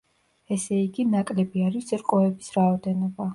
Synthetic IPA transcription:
ɛsɛiɡinakʼlɛbiaɾisɛɾqʼɔɛbisɾaɔd̪ɛnɔba

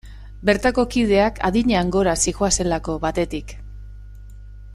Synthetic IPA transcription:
be̞ɾt̪ako̞kið̞e̞akʰa̰ðiɲeaŋɡo̞ɾasixoase̞lako̞βat̪e̞t̪ik

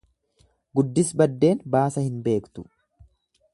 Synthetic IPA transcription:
ɡʊd̪ːɪsbɐd̪ːe̞ːnbaːsɐhɪnbe̞ːkt̪ʊ̥

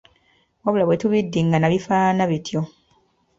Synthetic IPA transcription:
aβulaβwetuβidːiŋɡanaβifaːnaβitʰjo

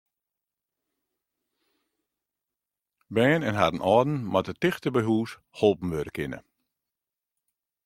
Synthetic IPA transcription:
bɛːnɛnɦadən̩ʔɔːdn̩matətɪxtəbɛɦuːs | holˠpm̩ʋøɾəkɪnə̰

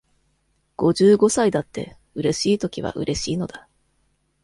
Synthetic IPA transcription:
ɡ̥o̞ʑɨːɡo̞said̪at̪ːe̞̰ | ɯ̟ɾe̞ɕiːt̪o̞kʲiβ̞a̰ʔɯ̟̰ɾe̞ɕiːno̞d̪̥a

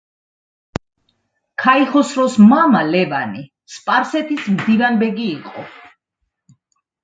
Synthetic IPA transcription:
kʰaiχɔsɾɔsmamalɛvani | spʼaɾsɛt̪ʰismd̪ivanbɛɡiːqʼɔ̰

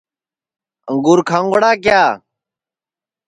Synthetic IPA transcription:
əŋɡuːɾkʰãːŋwəɽaːk̬jaː

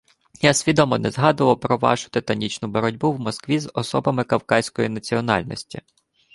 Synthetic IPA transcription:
jasʲʋʲid̪ɔmɔnɛzɦɑd̪ʊʋɐwpɾɔʋɑ̰ʃʊ̥t̪ɪt̪ɐnʲit͡ʃnʊbɔɾɔdʲbuwmɔskʋʲizɔsɔbɐmɪkɐwkɑsʲkɔjinɐt͡sʲiɔnɑ̰lʲnɔ̰sʲtʲḭ

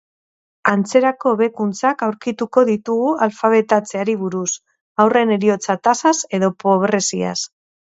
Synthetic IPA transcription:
ant͡se̞ɾako̞βe̞kunt͡sakawɾkit̪uko̞ðit̪uɣualfaβ̞e̞t̪at͡se̞aɾiβ̞uɾus | awre̞ne̞ɾio̞t͡sat̪asase̞ðo̞po̞βɾe̞sia̰s

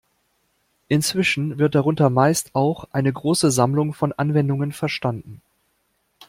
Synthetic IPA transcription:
ʔɪnt͡sv̥ɪʃn̩vɪɐt̚d̥aʁ̞ʊntɐmaɪstaʊxʔaɪnəɡʁoːsəzamlʊŋfɔnʔa̰nvɛndʊŋənfɛɐʃtandn̩

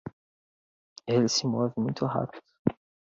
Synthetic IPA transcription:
elɪsɪmɔvɪmũj̃t̪ʊɦa̰pid̪̥ʊ

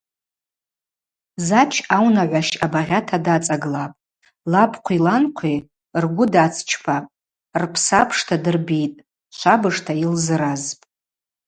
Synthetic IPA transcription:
zat͡ʃʰawnaʕʷaʃabaʁʲatʰadat͡sʼaɡlapʼ | lapʰqʷʰilanqʷʰi | rɡʷʊdat͡sʰt͡ʃʰpʰapʼ | rpʰsapʰʂtʰadɨrbitʼ | t͡ʃʷʰabɨʂtʰailzɨɾazpʼ

